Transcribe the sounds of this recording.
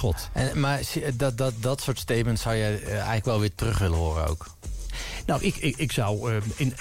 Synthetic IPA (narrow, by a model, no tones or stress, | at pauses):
ɔtʔɛnmaɹsdddɔtsʊːɹtstejt̚məntsawjɛjɛ̰jɣələkʋɛlˠʋɪːtərɵχʋɪlənɦʊːɾə̰no̰wk | nɔwʔɪkɪɪksʌwɪn